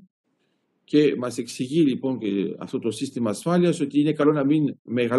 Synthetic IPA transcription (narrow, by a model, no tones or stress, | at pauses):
kemaseksiɣiliponkea̰fot̪osist̪emasfaljasot̪inekalonaminmeɣal